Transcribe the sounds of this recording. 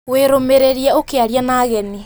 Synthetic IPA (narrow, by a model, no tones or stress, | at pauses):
weɾomeɾeɾiaokeaɾianaːɣɛne